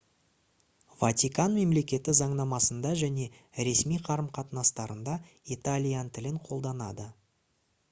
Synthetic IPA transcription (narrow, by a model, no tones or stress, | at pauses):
va̰t̪ʲikanme̞mle̞kʲe̞t̪ɪzɑɴnɑmɑsənd̪ɑʒæne̞ | ɾe̞smijqʰɑɾəmqʰɑt̪nɑst̪ɑɾənd̪ɑ | it̪alʲijant̪ʰɪlɪɴqʰo̞lˠd̪ɑnɑ̰d̪ə